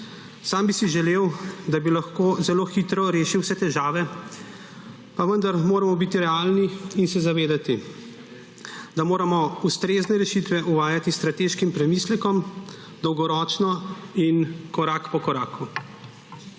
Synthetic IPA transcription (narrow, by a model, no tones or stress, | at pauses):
saːmbisiʒɛleːwd̪abilaxkoːzɛloːxit̪ɾɔɾeːʃiwsɛt̪ɛʒaːʋɛ | paʋənd̪aɾmoːɾamɔbit̪iɾɛaːlniinsɛzaʋeːd̪at̪i | d̪amoːɾamɔust̪ɾeːznɛɾɛʃit̪ʋɛʔuʋaːjat̪ist̪ɾat̪eːʃkimpɾɛmislɛkɔm | d̪ɔwɡɔɾɔːt͡ʃnɔinkɔɾakpɔkɔɾaːkʰu